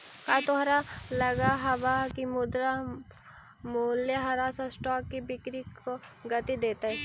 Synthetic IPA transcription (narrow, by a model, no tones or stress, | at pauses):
kat̪oɦɾalɐɡaɦɐʋakimʊd̪ɾa | muljeɦɐɾasasʈɔːkːibɪkɾikoɡɐt̪id̪eːt̪aɦɛ